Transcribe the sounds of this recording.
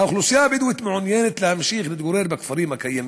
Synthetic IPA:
awxlusjaːbɪd̪wɪt̪maʕʊnjeːnɪt̪lamaʃiːɣnɪd̪ɡʊɾeːɾbakfɑɾiːmakajːam

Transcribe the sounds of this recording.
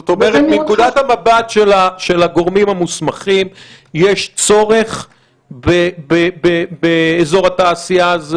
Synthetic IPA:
ot̪omeʁet̪nekud̪at̪hamabat̪ʃelaʃe̞laɡo̞ʁmimamusmaχim | jeʃt͡so̞ʁe̞χ | bebebebeːzo̞ʁat̪aːsiaz

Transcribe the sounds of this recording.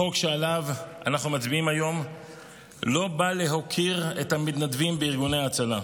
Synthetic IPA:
okʃealava̰naχnumat͡sbiimajo̞m | lo̞bale̞ɦo̞kʰiʁethamit̪nadvimbeiʁɡuneaːt͡sala

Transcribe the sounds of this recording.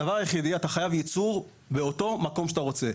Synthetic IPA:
avaʁjeχid̪iataχajavjit͡suʁ | be̞o̞to̞mako̞mʃataʁo̞t͡se̞

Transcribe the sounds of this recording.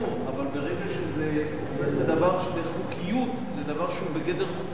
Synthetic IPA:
avalbeʁɛɡaʃeze | ed̪avaʁʃebeχukʰijut̪ | zed̪avaʁʃeubeɡɛd̪eʁ

